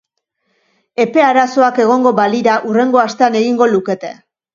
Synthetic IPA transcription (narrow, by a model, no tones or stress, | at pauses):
e̞pe̞aɾaso̞ake̞ɣ̞o̞ŋɡo̞baliɾaʔure̞ŋɡo̞ast̪e̞ane̞ɣiŋɡo̞luke̞t̪e̞̰